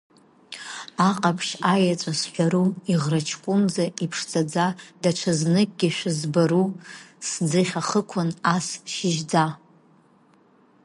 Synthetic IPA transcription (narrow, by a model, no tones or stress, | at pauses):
aqʼapʰʃajat͡ʃʷʼasħʷᶣaɾuiʁrat͡ʃʰkʷʼʊmd͡zaipʰʂt͡sʰʼad͡zadaʈ͡ʂʷʰaznɨkʼɡ̥ʲiʃᶣzbaɾusd͡zɨχʲaχəkʷʰanasʃiʒd͡za